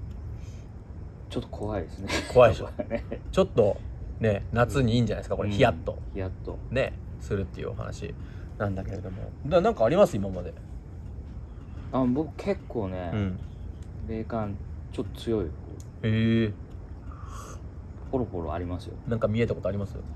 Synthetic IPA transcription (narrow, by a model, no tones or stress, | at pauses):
t͡ɕot̪ːo̥kʰo̞βaid̪esɨnekʰo̞ai | t͡ɕo̞t̪ːo̞ne̞nat͡sɨɲ̟iːɲd͡ʑana̰isɨkakoɾeçijat̪ːo̞̰çiat̪ːone̞̰sɨɾɯ̟t̪ːe̞jɯ̟̰o̰ha̰na̰ɕḭ | nãnd̪ake̞ɾe̞d̪o̞mo̞̰d̪anãŋkaːɾʲimasɨimamad̪e̞ | abo̞kɯ̟̥kʰe̞kʰːo̞ːneɯ̟̃ɴ | ɾe̞ːkãnt͡ɕot̪ːo̥t͡sɨjo̞ioko | e | poɾoɸo̞ɾo̰a̰ɾʲimasɨjo̰nãŋkamʲie̞t̪ako̞t̪oaɾʲimasɨjo̰